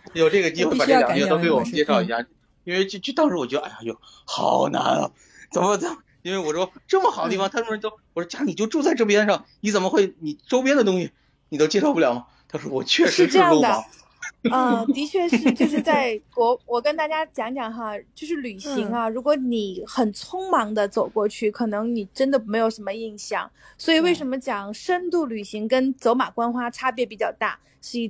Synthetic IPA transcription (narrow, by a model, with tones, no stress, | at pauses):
jo˨˩ʊʈ͡ʂɤ˥˩ɡə˩t͡ɕi˥xwe˥˩˧pʈ͡ʂə˥˩˨t̪o˥ke˧˥ɪwɔ˨˩mə˧˦nt͡ɕjɛ˥˧ʂɑ˥˩ʊi˧˥ɕja˥˩˥ | i˥nwe˥˧ɪt͡ɕt͡ɕy˥˩t̪ɑ˥ŋʂɻwɔ˨˩t͡ɕɥɛ˧˥ə˧ʔa̰˥˩a˨˩t͡ɕo˥˩ | xɑ̰˨˩ʊna̰˧˥nlə̰˧ | t͡sə˨˩nmə˧t͡sa˨˩ | i˥nwe˥˩ɪwɔ˨˩ʂɔ˥ʈ͡ʂɤ˥˩mə˩xd̪ə˦i˥˩ɑ˧t̪ʰə˧˥o˥wɔ˨˩ʂɔ˥t͡ɕjɑ˥ni˨˩t͡ɕo˥˧ʊʈ͡ʂu˥˧t͡sa˥˧ɪʈ͡ʂo˥ʊp̬jɛ˥nʂɑ˥˩ŋni˧˥t͡sə˨˩nmə˦xwe˥˩ɪni˨˩ʈ͡ʂo˥ʊp̬jɛ˥nd̪ə˨t̪ʊ˥ŋɕi˨ | ni˨˩t̪o˥ʊt͡ɕjɛ˥ʂɑ˥ʊpu˥˩ljɑ˨˩ʊmɐ˦ | t̪ʰʂɔ˥wɔ˨˩t͡ɕʰɥɛ˥˩ʂɻ̩˥˧˥ʂə˥˧˥jɑ˥˩o˥d̪ə˨˩˨ | ə˥˩t̪i˧˥t͡ɕʰɥɛ˥˧ʂʂɻ̩˥˧t͡ɕjo˥˧ʊʂɻ̩˥˧t͡sa˥˩ɪkwɔ˧˥wɔ˨˩kə˥nt̪a˥˩t͡ɕja˥t͡ɕjɑ˧˥ŋt͡ɕjɑ˨˩ŋxɐ˥˧t͡ɕjo˥˧ʊʂɻ̩˥˩ly˨˩ɕi˧˥ŋɐ˧ɻu˧˥kwɔ˧˥ni˨˩˦xə˨˩nt͡sʰʊ˥ŋmɑ˧˥ŋd̪ə˧t͡so˨˩ʊkwɔ˥˧t͡ɕʰy˥˩kʰɤ˨˩nɤ˧˥ŋni˨˩ʈ͡ʂə˥nd̪ə˨˩me˧˥ɪjo˨˩ʊʂə˧˥nmə˧i˥˧ŋɕjɑ̰˥˩ŋswɔ˧˥i˨˩we˥˩ɪʂ̬ə˧˥nmə˧t͡ɕjɑ˨˩ŋʂə˥nt̪u˥˩ly˨˩ɕi˧˥ŋkə˥nt͡so˧˥ʊma˨˩kwa˥nxwa˥ʈ͡ʂʰa˥pjɛ˥˩pi˨˩t͡ɕjɑ˥˩ʊt̪a̰˥˩ | ʂɻ̩˥˧˥